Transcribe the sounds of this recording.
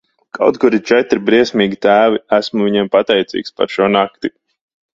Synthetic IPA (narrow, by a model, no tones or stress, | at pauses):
kʰa̰wt̪̚kuɾit͡ʃɛt̪ɾibɾiɛsʲmʲiːɡʲit̪æːviæsmuvʲiɲɛmpat̪ɛjt̪sḭːkspa̰ɾʃuɔnak̚t̪i